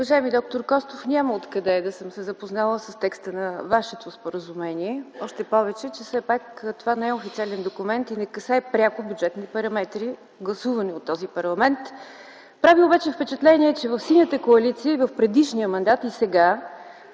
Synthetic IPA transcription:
ʊvɐʒaɛmid̪ɔk̚t̪oɾkɔst̪ofnʲaməot̪kɐd̪ɛd̪ɐsəmsɛzəpoznalˠəsəst̪ɛkst̪ənɐvaʃɛt̪ospoɾəzumɛniɛɔʃt̪ɛpɔvɛt͡ʃɛt͡ʃɛfsɛpakt̪ovanɛɛofit̪sʲialɛnd̪okumɛnt̪inɛkɐsɛɛpɾʲakʊbʲjudd͡ʒɛt̪nipɐɾɐmɛt̪ɾi | ɡlˠɐsuvəniot̪ːɔzipɐɾlˠɐmɛnt̪ | pɾaviobat͡ʃɛfpɛt͡ʃɛt̪lɛniɛt͡ʃɛvɐfsinʲət̪əkoɐlit̪siəivɐfpɾɛd̪iʃniəmɐnd̪at̪isɛɡa

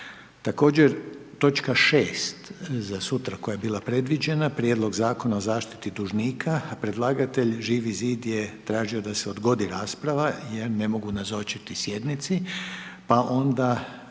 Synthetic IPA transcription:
t̪ako̞ːd͡ʑeɾt̪o̞t͡ʃkaʃeːst̪zasut̪ɾako̞jajebiːlˠapɾe̞d̪ʋid͡ʒe̞napɾʲijed̪lˠo̞ɡzaːko̞naozaːʃt̪i̥t̪id̪uʒniːkʰapɾe̞d̪lˠaːɡat̪e̞ʎʒiʋiziːd̪jet̪ɾaːʒio̞d̪aseo̞d̪ɡo̞d̪iɾaːspɾaʋajeɾne̞mo̞ɡunazo̞t͡ʃit̪isje̞d̪nit̪sipaʔo̞nd̪a

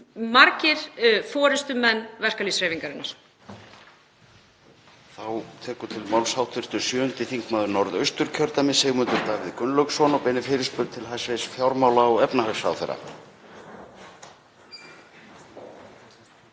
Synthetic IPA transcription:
maɾcɪɾ̥fɔːɾɪst̪ʏmɛnːvɛr̥kalisɾeːviŋkaɾɪnːaɾ̥ | θawt̪ʰɛːkʏt̪ʰɪlmawlshawt̪ʰɪr̥t̪ʏsjœːhʏnt̪ɪθiŋkmaːðʏɾnɔɾðœɥst̪ʏɾ̥cʰœɾt̪amɪsɛɣmʏnt̪ʏɾt̪aːvɪðkʏnlœksɔnɔpɛnɪfɪːɾɪspʏɾt̪t̪ʰɪlɦajsvejsfjawɾmaːwlaɔɣɛpnaɦasa̰wθḛɾːa̰

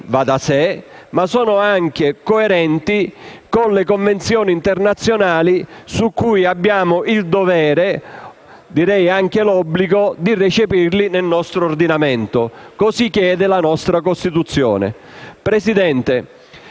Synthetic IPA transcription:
vad̪asemasɔːnʊaŋk̟ekoeɾɛnt̪ikonlekoɱvent̪sjɔːniːnt̪ernat̪sːjonaːlisukːujabːjaːmʊʔild̪ovɛːɾe | d̪iɾɛjaŋk̟elɔbːliɡod̪iret͡ʃepirlinelnɔst̪ɾoːrd̪inamɛnt̪okosikːjɛːd̪elanɔst̪ɾakost̪it̪ut̪sːjɔ̰ːnḛ | pɾesid̪ɛnt̪e

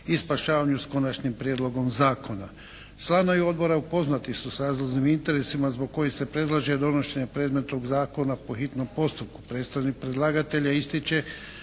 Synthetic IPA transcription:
ispaʃaːʋaɲusko̞nat͡ʃɲimpɾʲijed̪lˠo̞ɡo̞mzaːkʰo̞na | slˠanoijo̞d̪̚bo̞ɾaupo̞znat̪isusɾaːzlˠoʒnimint̪e̞ɾesimazbo̞ɡ̚kːo̞jise̞pɾe̞d̪lˠaʒed̪o̞no̞ʃe̞ɲepɾeːd̪me̞t̪noɡzaːko̞napo̞xit̪no̞mpo̞st̪up̚ku̥pɾeːt̪st̪ɾanik̚pɾed̪lˠaːɡat̪eʎaist̪it͡ʃe̞

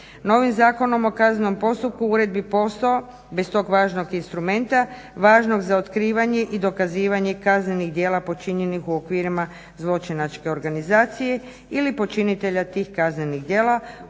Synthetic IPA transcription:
no̞ʋimzaːko̞no̞mo̞kazneno̞mpo̞st̪up̚kuuɾe̞d̪̚bipo̞st̪oo | best̪o̞ːɡʋaːʒno̞ɡinst̪ɾume̞nt̪a | ʋaːʒno̞ɡzao̞t̪kɾiːʋaɲe̞ʔid̪o̞kaziːʋaɲe̞kazne̞niɣd̪jeːlˠapo̞t͡ʃiɲenixuo̞kʋiːɾima | zlˠo̞t͡ʃinat͡ʃke̞o̞ɾɡanizaːt̪sije̞ | ilipo̞t͡ʃinit̪e̞ʎat̪iːxkazne̞niɣd̪jeːla

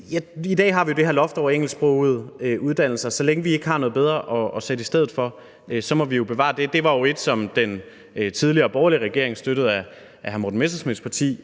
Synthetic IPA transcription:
jæid̥ɛ̰ːɦɑ̈ʋijo̝d̥e̝ɦeɐlɒ̽fd̥ɒ̰eŋ̰l̩sb̥ʁɔʊð̩̰ˠøuð̞ˠd̥æn̰l̩sɐsɒleŋəʋie̝ɡ̥hɑ̈nɔ̽ð̩ˠb̥eð̞ˠʁɐʔɒ̽ɒ̽sed̥əisd̥eð̰ˠð̩ˠfɒ̽ | øsɒ̽mɒ̽ʋijo̝b̥e̝ʋɑ̰̈ːd̥e̝d̥e̝ʋɑ̈jo̝e̝d̥sɒ̽md̥en | t͡sʰið̞ˠliɐːb̥ɒːɐliəʁɛɡ̥e̝ɐeŋsd̥øɾ̥əð̞̩ˠæ | ʔæɦæmod̥n̩mesɐsmispʰɑ̈t͡sʰḭː

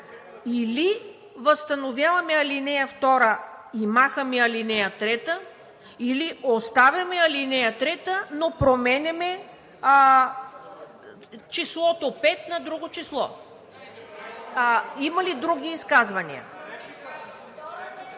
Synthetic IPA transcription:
ili | vəst̪ɐnovʲjavɐmɛɐlinɛjɐft̪ɔɾəimaxəmiɐlinɛjɐt̪ɾɛt̪ə | iliost̪avʲjɐmɛɐlinɛjɐt̪ɾɛt̪ənopɾomɛnʲɛmɛ | t͡ʃislˠɔt̪opɛt̪nɐd̪ɾuɡot͡ʃislˠɔ | imɐlid̪ɾuɡʲiːskazvɐnḭə̰

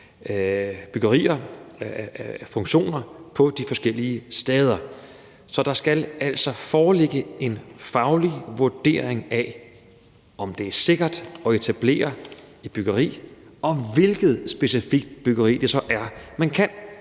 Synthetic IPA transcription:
b̥yɡ̥ɐʁḭːɐ | fɔ̽ŋɕo̝̰ːnɐpʰɒ̽d̥ifɒ̽sɡ̥el̰iəsd̥ɛːð̞ˠɐ | sɒ̽d̥ɑ̈sɡ̥ælæl̰sɒ̽fɒːleɡ̥əe̝nfɑ̈ʊliʋuɐd̥e̝̰ːɐ̰eŋæ | ɒ̽md̥e̝æɐse̝ɡ̥ɐd̥ɒ̽e̝t͡sʰæb̥le̝̰ːɐ | ib̥yɡ̥ɐʁḭːɒ̽ʋe̝lɡ̥ð̞̩ˠsb̥e̝sifiɡ̥d̥b̥yɡ̥ɐʁḭːd̥e̝sɒ̽ʔæɐmænkʰæn

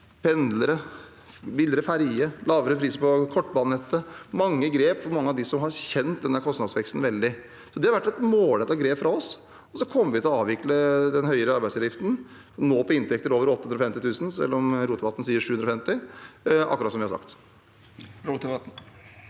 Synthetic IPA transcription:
pʰɛnd̪ləɾə | bɪld̪əɾəfæɾjəlɑːʋəɾəpʰɾiːsəpɔkʰɔʈːbɑːnnɛt̪ːəmɑŋːəɡɾeːpfɔɾmɑŋːəɑʋd̪ɪsɔmɦɑɾçɛnt̪̚d̪ɛnd̪æɾkʰɔst̪nɑd̪sʋɛkst̪n̩ʋɛld̪ɪ | sɔd̪ɛhɑɾʋæʈːɛt̪moːlɛt̪ɑɡɾeːpfɾɑɔs | ɔsɔkʰɔmːəɾʋɪt̪ɪlɔɑːʋɪkləd̪ɛnɦœʏəɾəɑɾbæɪsɑʋjɪft̪n̩ | noːpʰɔɪnt̪ɛk̚t̪əɾoːʋəɾɔt̪ːhʉnɾɔfɛmt̪ɪt̪ʰʉːsn̩sɛ̰lːɔmɾuːt̪əʋɑt̪n̩siːəɾʂʉːʉnɾɔfɛmt̪ɪʔɑ̰kːɾɑt̪sɔmʋɪhɑɾsɑ̰kt̪ | ɾbt̪ʋɑt̪n̩

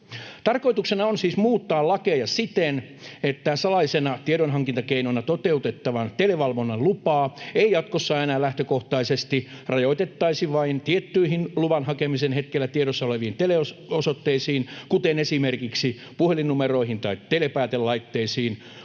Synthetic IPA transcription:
t̪ɑrkoit̪uksenɑonsiːsmuːt̪ːɑːllɑkejɑsit̪en | et̪ːæsɑlɑlisenɑt̪ieɾonɦɑŋkint̪ɑkeinonɑt̪ot̪eut̪et̪ːɑʋɑnt̪eleʋɑlʋonːɑllupɑːeijɑt̪kosːɑːenæːlæht̪økoht̪ɑisest̪irɑjoit̪et̪ːɑisiʋɑint̪iet̪ːyiɦinluʋɑnhɑkemisenhet̪kelːæt̪ieɾosːɑoleʋiːnt̪eleososot̪ːeisiːnkut̪enesimerkiksi | puhelinumeroihint̪ɑitt̪elepæːt̪ellɑit̪ːeisiːn

